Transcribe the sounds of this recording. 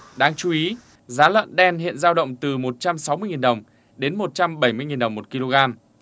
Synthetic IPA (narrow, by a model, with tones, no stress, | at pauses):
ɗaː˨˧ŋt͡ɕu˨˦i˨˦ | zaː˨˦lwə̰˧˨nɗɛ˧nhḭ˧˨ənzaː˧wɗə̰˧˨wŋ͡mt̪ɨ˨˩mo˨˩t̚t͡ɕa˧msa˨˦wmɨ˧əjŋi˨˩nɗə˨˩wŋ͡m | ɗe˨˦nmo˨˩t̚t͡ɕa˧mɓə˧˩jmɨ˧jŋi˨˩nɗə˨˩wŋ͡mmo˨˩t̚ki˧lo˧ɣaː˧m